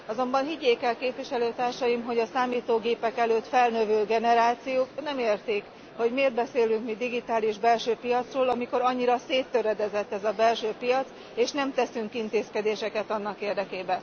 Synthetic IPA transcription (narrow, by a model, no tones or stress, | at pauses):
ɒzo̞mbɒnɦiɟːeːkɛlkeːpviʃɛløːt̪aːrʃɒjimɦo̞ɟɒsaːmiːt̪oːɡeːpɛkɛløːt̪fɛlnøvøːɡɛnɛɾaːt̪sijoːknɛmeːrt̪iːk | ho̞ɟmeːrd̪̚bɛseːlyŋkmid̪iɡit̪aːliʒbɛlʃøːpijɒt̪sroːlɒmiko̞ɾɒɲːiɾɒseːt̪ːøɾɛd̪ɛzɛt̪ːɛzɒbɛlʃøːpijɒt̪s | eːʃnɛmt̪ɛsyŋkin̪t̪eːskɛd̪eːʃɛkɛt̪ɒnːɒkeːrd̪ɛkeːbɛn